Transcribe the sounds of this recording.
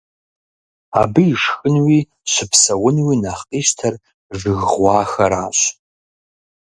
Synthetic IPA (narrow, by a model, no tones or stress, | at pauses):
a̰bɨːʂxɨnwi | ʃʷɨpʰsɐwʊnwinaχqʼiʃtʰɐr | ʐɨɣʷwɑːxɐɾaːɕʷ